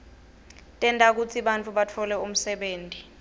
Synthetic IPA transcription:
tʼɛntʼak̬ut͡sʰiɓant͡fʰʼuɓatʰɔlɛum̩sɛɓeːntʼi

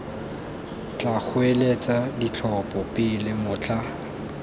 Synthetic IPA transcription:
t͡ɬʼak͡xʰʊelet͡sadit͡ɬʰɔpʼɔpɪlɪmʊːt͡ɬʰʼa

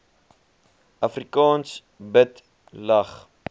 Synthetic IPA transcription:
ʔɐfrikɑːns | bət | lɐχ

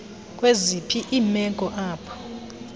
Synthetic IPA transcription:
k̬ʼwezipʰiʔiːmɛɡʱʼɔʔaːpʰɔ̥

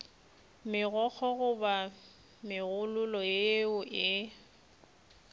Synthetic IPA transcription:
mɪɣɔk͡xʰɔɣʊba | mɪɣʊlʊlɔeʊʔɪ

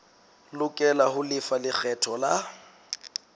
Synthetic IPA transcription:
lʊkʼɛlahʊlɪfalɪk͡xʰɛtʰɔla

